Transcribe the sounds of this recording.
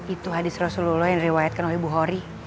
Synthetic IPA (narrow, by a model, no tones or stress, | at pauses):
it̪uɦadɪsrɔsululɔhjaŋndiɾiwajat̪̚kanolebuɦɔɾi